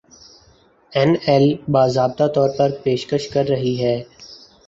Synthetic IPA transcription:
ɛnɛlbaːzaːb̚t̪at̪ɔːɾpɐɾpeːʃkəʃkɐɾːɐɦiɦɛː

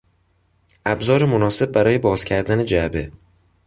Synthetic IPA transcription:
æbzɒːɾɪmonɒːse̞b̚ːæɾɒːjebɒːz̥kʲʰæɾd̪ænɪd͡ʒæbe

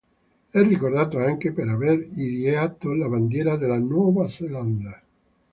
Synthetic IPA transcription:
ɛrːikord̪aːt̪oaŋkepeɾaveɾiɾjat̪olaband̪jɛːɾad̪elanwɔvaseland̪a

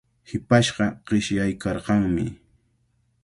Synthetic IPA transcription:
hɪpaʃɢɑqɪʃjajkɑɾqɑŋmɪ̰

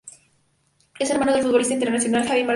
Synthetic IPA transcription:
e̞se̞ɾmano̞ðelfut̪βlist̪aint̪eɾnasjo̞nalxaβima

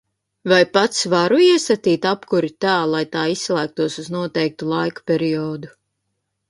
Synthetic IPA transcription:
vajpat̪svaɾuiɛsat̪iːt̪apkuɾit̪aːlˠajt̪aːisːlˠæːk̚t̪uɔsuznuɔt̪ɛjk̚t̪ulˠajkpʲɛɾiɔːd̪u

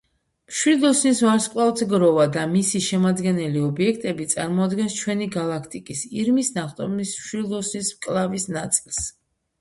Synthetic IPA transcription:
mʃwid̪lˠɔsnisvaɾskʼvlavt̪ʰɡɾɔvad̪amisiʃɛmad̪ɡɛnɛliɔbiɛkʰt̪ʼɛbit̪sʼaɾmɔad̪ɡɛnst͡ʃʰwɛniɡalˠakʰt̪ʼikʼisiɾmisnaχt̪ʼɔ̰mism̥ʃwid̪lˠɔsnismkʼlˠavisnat̪sʼilˠs

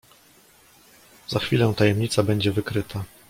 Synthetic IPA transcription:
z̥axfʲilɛw̃t̪ajɛmɲit̪sabɛɲd͡ʑɛvɘkɾɘt̪ʰa

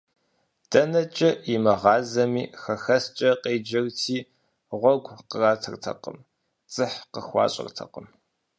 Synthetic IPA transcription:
d̥ɐnɐt͡ʃʼɐimɐʁɑːzɐmiːxɐxɐst͡ʃʼɐqeːd͡ʒɐrtʰiː | ʁʷɔɡʷqəraːtʰɨrtʰɐ̰qə̰m | t͡sʼɨħqəxʷɑ̰ːɕʼɪ̰rtʰɐ̰qəm

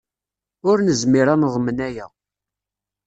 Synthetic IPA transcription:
ʊɾnəzmiɾˤanəʁˤmənæjæ

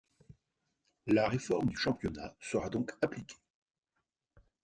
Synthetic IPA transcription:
laʁefɔʁmd̪yʃɑ̃pjɔnasəʁad̪ɔ̃kaplikʲʰe̥

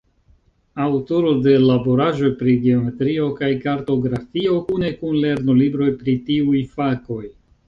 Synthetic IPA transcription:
awtoɾo̞de̞labo̞ɾaʒo̞jpɾiɡeo̞me̞tɾio̞kajkaɾto̞ɡɾafio̞kune̞kunle̞ɾnolibɾo̞jpɾitiujfako̞j

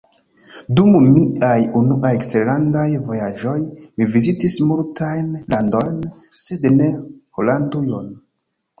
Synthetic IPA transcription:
dummiajunuʔajkt͡selandajvo̞jaʒo̞jmivizitismultajnlando̞jn | se̞dne̞holandujo̞n

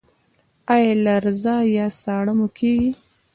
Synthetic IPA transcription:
ɑjalaɾzɑjɑsɑɽəmokʰeɡi

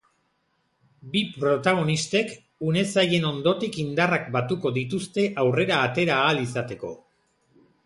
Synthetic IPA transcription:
bipɾo̞t̪aɣ̞o̞nist̪e̞k | une̞saje̞no̞nd̪o̞t̪ikind̪arak̚bat̪uko̞ðit̪ust̪e̞ʔawre̞ɾaːt̪e̞ɾaːlisat̪e̞ko̞̰

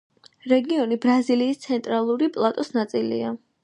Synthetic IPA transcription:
ɾɛɡiɔnibɾaziliːst̪sʰɛnt̪ʼɾalˠuɾipʼlˠat̪ʼɔsnat̪sʼilḭa

